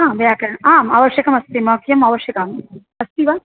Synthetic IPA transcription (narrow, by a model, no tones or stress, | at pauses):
ɦãːʋejaːkɐɾɐɳaːma̰ːʋɐʃjɐkɐmɐst̪imɐːkʰjɐmaːʋɐʃjɐkaːm | ɐst̪iʋaː